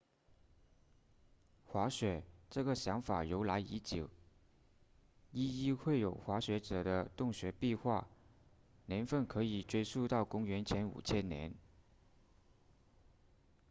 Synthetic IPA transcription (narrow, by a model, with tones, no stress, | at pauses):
xwa˧˥ɕɥɛ˨˩˦ʈ͡ʂɤ˥˩ɡə˩ɕjɑ˧˥ŋfa˨˩jo˧˥ʊla˧˥ɪi˧˥t͡ɕjo˨˩ʊ | i˥i˥˧xwe˥˩ɪjo˨˩ʊxwa˧˥ɕɥɛ˧˥ʈ͡ʂɤ˨˩d̪ə˦t̪ʊ˥˩ŋɕɥɛ˧˥pi˥˧xwa˥˩ | njɛ˧˥nfə˥˩nkʰɤ˧˥i˨˩ʈ͡ʂwe˥ɪsu˥˧t̪ɑ˥˩ʊkʊ˥ŋɥɛ˧˥nt͡ɕʰjɛ˧˥nṵ˨˩t͡ɕʰjɛ˥nnjɛ̰˧˥n